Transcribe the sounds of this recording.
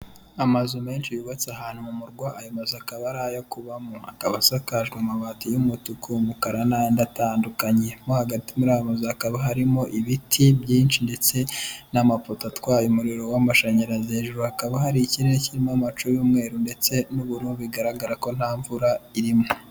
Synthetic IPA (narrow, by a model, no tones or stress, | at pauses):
amazume̞ːnʃijuβat͡sahaːn̥humumuɾɡwaːjomazakaβaɾaːjokuβamoa̰kaβasakaʒɡamaβaːtijumutukumukaɾanajndataːndukaɲe̞mohaɡatimuɾajomazuakaβaɦaɾimoʔiβitʰibɟiːnʃinde̞t͡se̞namapotatwajumuɾiɾo̞wamaʃaɲaɾazeːʒuɾuakaβahaɾiciɾeɾeciɾimamat͡ʃujuːmŋe̞ːɾunde̞t͡se̞nuβuɾuːbuiɡaɾaɡaɾako̞n̥haːɱvuɾaiɾimo